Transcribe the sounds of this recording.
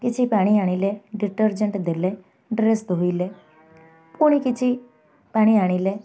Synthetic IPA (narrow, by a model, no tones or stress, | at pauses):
kɪt͡ʃʰipaːɽ̃iaːɽ̃ileɖiʈəɾd͡ʒəɳʈd̪elɛ | ɖɾest̪ɦoilɛ | puɽ̃ikɪt͡ʃʰi | paːɽ̃iaːɽ̃ile